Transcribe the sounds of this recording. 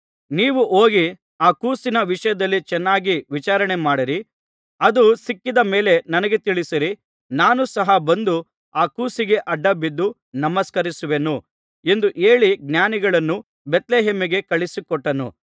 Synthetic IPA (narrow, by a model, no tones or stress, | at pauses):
niːʋuʔoːɡi | aːkuːsinɐʋiʂɐjɐd̪ɐlːit͡ʃɛnːaːɡiʋit͡ʃaːɾɐɳemaːɽiɾi | ɐd̪usikːid̪ɐme̞ːle̞nɐnɐɡe̞t̪iɭisiɾi | naːnusɐɦɐbɐnd̪u | aːkuːsiɡe̞ʔɐɖːɐbid̪ːu | nɐmɐskɐɾisuʋenu | e̞nd̪uʔe̞ːɭiɡnjaːniɡɐɭɐnːu | bet̪leːɦeːmiɡe̞kɐɭisikɔʈːɐnṵ